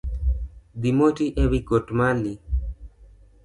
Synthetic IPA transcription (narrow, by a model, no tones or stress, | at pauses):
d̪imotiʔewiɡotmali